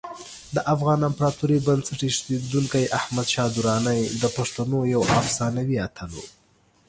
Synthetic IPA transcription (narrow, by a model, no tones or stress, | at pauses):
d̪əʔafɣɑnampɾɑt̪uɾibansəʈiʃt̪ed̪uŋkajʔahmad̪ʃɑd̪uɾɑnajd̪əpaʂt̪anojawʔafsɑnawiat̪ʰalo̰